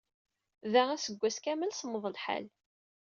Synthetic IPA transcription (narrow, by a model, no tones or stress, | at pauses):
ðæʁæsəɡʷːæskæməlsəmːəðˤəlħa̰l